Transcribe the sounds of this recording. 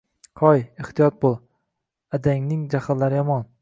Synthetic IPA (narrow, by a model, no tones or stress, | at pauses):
qʰɒjɪht̪ʰijɒt̪̚bolˠ | ad̪aŋnɪŋd͡ʒahad̪laɾɪjɒmɒn